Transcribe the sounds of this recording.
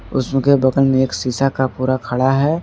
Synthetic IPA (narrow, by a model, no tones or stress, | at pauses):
ʊ̰smẽkebɐɡəlmẽeːksiːsakapuːɾakʰɐɽaɦɛː